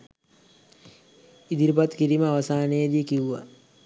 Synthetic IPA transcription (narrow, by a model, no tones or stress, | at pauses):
id̪iɾipat̪kiɾiməaʋasaːnejəd̪ijəkiuʋa̰